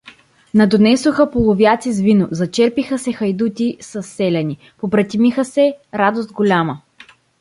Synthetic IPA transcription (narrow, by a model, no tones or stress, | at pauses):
nɐd̪onɛsoxəpolˠovjat̪sizvinozɐt͡ʃɛɾpixəsɛxɐjd̪ut̪ʲisɐsːɛlʲɛni | pobɾɐt̪ʲimixəsɛɾad̪ost̪̚ɡolʲamə